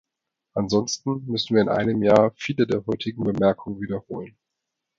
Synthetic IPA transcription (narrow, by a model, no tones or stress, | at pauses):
ʔanzɔnstn̩mʏsn̩viːɐɪnʔa̰ɪnəmjaːfiːlədeːɐɦɔʏtʰɪɡ̚ŋ̩bəmɛɐkʰʊŋənviːdɐhoːlən